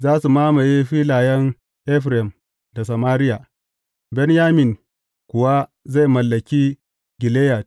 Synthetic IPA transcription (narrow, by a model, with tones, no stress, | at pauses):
zaː˦su˨maː˦ma˨je˦ɸiː˦laː˨jɛ˦ŋ | ʔɛ˦ɸɾɛ˨m | da˨sa˨maː˦ɾɪ˦ja˨ | bɛ˦njaː˦mɪ˨n | kʷʊ˨wa˦za˦˨jmɐ˨lːɐ˨kʲiː˦ | ɡʲɪ˨leː˦ja˨t